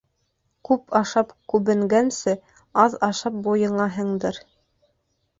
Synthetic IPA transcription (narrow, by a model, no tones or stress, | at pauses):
kʉpɑʃɑpkʉβɘ̆ŋɡænsɘ | ɑðɑʃɑp̚bujɤ̆ɴɑɦɤ̆ɴd̪ɤɾ